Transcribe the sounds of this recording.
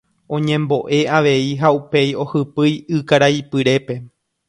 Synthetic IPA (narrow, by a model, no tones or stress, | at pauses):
õ̞ɲẽ̞mbo̞ʔe̞aʋe̞iɦaupe̞jo̞hɨpɨjɨkaɾaipɨɾe̞pe̞